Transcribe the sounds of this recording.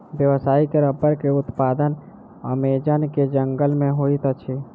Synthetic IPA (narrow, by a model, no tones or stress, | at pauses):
bjəʋsaːikeɾəbːəɾkeʊt̪pad̪ən | ə̰med͡ʒənked͡ʒəŋɡəlmẽɦoit̪ət͡ʃʰe